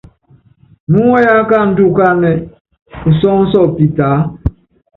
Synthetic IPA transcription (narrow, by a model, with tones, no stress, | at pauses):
mu˦ŋɔ˦ja˦ka˦˨n̩˦tu˦˨ka˦˨nɛ˨ | u˨sɔ˦ŋ̩˦sɔ˦˨pi˨taː˨˦